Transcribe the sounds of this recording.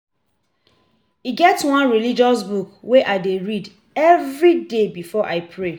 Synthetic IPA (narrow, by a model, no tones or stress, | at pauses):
iɡɛtswãnɹilid͡ʒɔsbukweʔaɪdeɹid | ɛvɹidebifɔʔaɪpʰɹe